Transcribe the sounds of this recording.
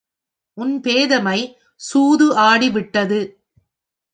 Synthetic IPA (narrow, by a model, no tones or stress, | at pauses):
ʔʊnpeːðɐmɐɪ | suːðɯʔaːɽiʋɪʈːɐðɯ